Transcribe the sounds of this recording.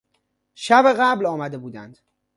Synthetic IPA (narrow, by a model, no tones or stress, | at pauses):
ʃæbeɣæblɒːmæd̪e̞buːd̪ænd̪̥